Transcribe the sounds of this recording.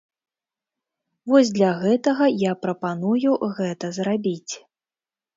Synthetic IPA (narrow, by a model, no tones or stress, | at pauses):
vɔzʲd̪lʲaɣɛt̪ɐɣɐjapɾɐpanujuɣɛt̪ɐzrabʲit͡sʲ